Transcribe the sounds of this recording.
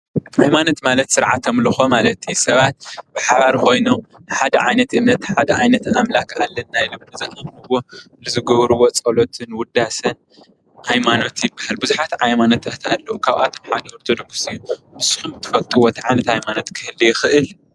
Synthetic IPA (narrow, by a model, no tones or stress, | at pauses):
hajmano̞t̪malɐt̪sɨɾʕa̰t̪ʰomlɨxo̞malɐt̪ʰːisɐβat̪̚b̥ɨħaβaɾko̞jnom | nɨħad̪ɐʕajnɐt̪ʔɨmnɐt̪ħad̪ɐʕajnɐt̪ʔamlakalːɐnːajilomɨzɨʔamlɨwo̞ | lɨzɨɡɐβɾuwot͡sʼɐlo̞t̪ʰɨnwʊd̪asɐn | hajmano̞t̪jɪbːahalbɨzuħat̪ʕajmano̞t̪ɐt̪ʰalːɐʔukʰaβʔa̰t̪ʰomħad̪ɐhoɾt̪ʰod̪oksɨjumɨsħumɨt̪ʰːɨ̥fɐlt̪ʼuwot̪ʰiʕajnɐt̪hajmano̞t̪kʰɨhɨlːijɪxɨʔɨl